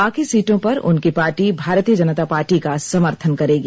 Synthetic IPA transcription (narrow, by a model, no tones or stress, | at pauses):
aːkʰisiːʈõpɐɾʊ̰nkipaːɾʈibʱaːɾt̪iəd͡ʒɐnət̪apaːɾʈikasɐməɾt̪ʰənkɐɾeːɡiː